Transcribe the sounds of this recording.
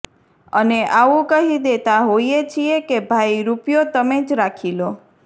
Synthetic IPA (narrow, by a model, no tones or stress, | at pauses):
əneʔaũkəɦid̪et̪aɦoiet͡ʃʰiekebʱaiɾupjot̪əmed͡ʒɾakʰilo